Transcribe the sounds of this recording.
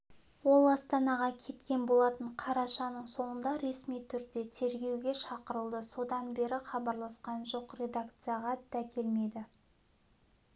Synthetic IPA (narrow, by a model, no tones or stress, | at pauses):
wo̞lˠɑst̪ɑnɑʁɑkʲʰe̞t̪kʲe̞nbo̞lˠɑt̪əɴqʰɑɾɑʃɑnəɴso̞ɴənd̪ɑɾe̞smijt̪ʰʏɾd̪e̞t̪ʰe̞ɾɡʲe̞wɡʲe̞ʃɑqəɾəlˠd̪əso̞d̪ɑnbe̞ɾɪχɑbɑɾlˠɑsqɑnʒo̞qre̞d̪akt̪sɨjaʁɑd̪ækʲʰe̞lme̞jd̪ɪ